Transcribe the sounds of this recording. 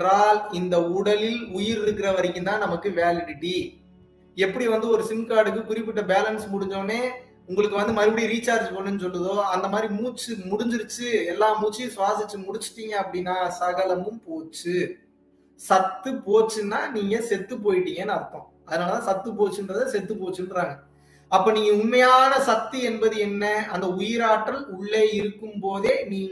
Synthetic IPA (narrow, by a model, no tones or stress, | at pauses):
ɾaːlɪnd̪ɐʊɽɐlɪlʊjɪɾɪɾɯkːɪɾɐʋɐɾɪkːɯnt̪ãːnɐmɐkːɯʋeːlɪɽɪʈːi | ɛpːɐɽiʋɐnd̪ɯɔɾɯsɪnkaːɽɯk̬ːɯkʊɾɪpːɪʈːɐbeːlɐnsmʊɽɪɲd͡ʒõːneː | ʊŋɡɐɭɯkːɯʋɐnd̪ɯmɐɾɯpːɐɽiɾiːt͡ʃːaːɾd͡ʒpoːɳːɯnːɯsɔlːɯðoːɐnd̪ɐmaːd̪ɾimuːt͡ʃːɯmʊɽʊɲd͡ʒɪɾɯt͡ʃːɯɛlːaːmuːt͡ʃːisʊʋaːsɪt͡ʃːɯmʊɽɪt͡ʃːɯ̥ʈːiːŋɡɐɐpːɐɽinːaːsɐɣɐlɐmɯmpoːt͡ʃːɯ | sɐt̪ːɯpoːt͡ʃːɯnːaːniːŋɡɐsɛt̪ːɯp̬oːjɪʈːiːŋɡɐnːɯɐɾɯt̪ːõː | ɐðɐnaːlɐt̪ãːsɐt̪ːɯp̬oːt͡ʃːɯndɾɐðãsɛt̪ːɯpoːt͡ʃːɯnɯɾaːŋɡɐ | ɐpːoːniːŋɡɐʊnmɐjaːnɐsɐt̪ːɯɛnbɐðɯɛnːɐɐnd̪ɐʊjɪɾaːʈːɐlʊɭːeːɪɾɯkːɯmpoːðeːniːŋ